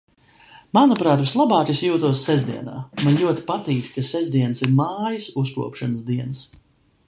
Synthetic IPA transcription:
manupɾaːt̪vislˠabaːkisjuːt̪uɔsːɛzd̪iɛna̰ːmanlʲuɔt̪i̥pat̪iːkʲkasɛzd̪iɛnəsiɾmaːjisuskṵɔpʃanəsd̪iɛns

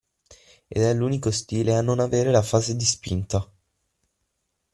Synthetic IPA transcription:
ḛd̪ɛluːnikost̪iːleanːonaveːɾelafaːzed̪ispḭnt̪a

